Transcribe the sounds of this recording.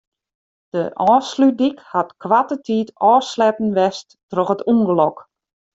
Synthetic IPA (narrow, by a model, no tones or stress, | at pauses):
d̥əʔɔːslydikhatkwatətʰiːtɔːslɛpn̩ʋɛstːroxətuŋɡəlɔk